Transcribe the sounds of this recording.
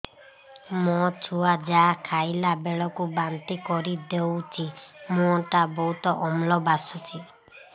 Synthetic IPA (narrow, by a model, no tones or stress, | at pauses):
mɔt͡ʃʰuad͡ʒakʰajlabeɭɔkubant̪ikɔɾid̪ewt͡ʃʰimũɔʈabɔɦut̪ɔʔɔmlɔbasɔt͡ʃʰi